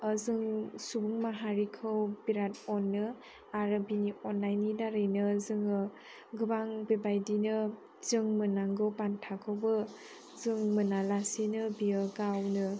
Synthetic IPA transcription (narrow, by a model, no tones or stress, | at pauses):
əzɯŋsubuŋmaɦaɾikʰɯwbiɾatɔnːɯ | aɾɯbiniɔnlajnidaɾɯjnɯzɯŋɯ | ɡɯbaŋbebajdinɯ | z̥ɯŋmɯnaŋɡɯwpantʰakʰɯwbɯ | zɯŋmɯnalasinɯbijɯɡawnɯ